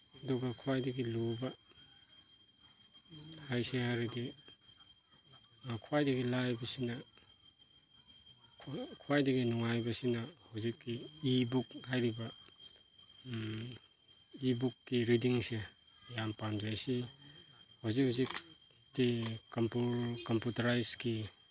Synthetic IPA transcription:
ɐduɡɐkʰuwajdɐɡiluba | hajsehaɾidi | kʰuwajdɐɡilajbɐsinɐ | kʰkʰuwajdɐɡinuŋajbɐsinɐhuzikːiːbukhajɾiba | ibukːiɾidiŋse | jampanzajsi | hazikhuzik | tikampukɔmputaɾajski

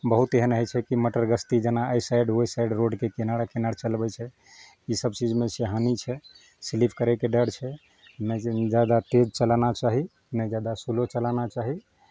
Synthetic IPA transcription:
bəɦut̪eɦənəɦɛt͡ʃʰɛkiməʈəɾɡəst̪id͡ʒanaəjsajɖɦojsajɖɾoɖkekenaɽakenaɽt͡ʃəlbɛt͡ʃʰɛ | isəbt͡ʃid͡ʒmẽseɦanit͡ʃʰɛ | silipʰkəɾɛkeɖəɽt͡ʃʰɛ | nəd͡ʒad̪at̪ed͡ʒt͡ʃəlanat͡ʃaɦi | nəjd͡ʒad̪asulot͡ʃəlanat͡ʃaɦi

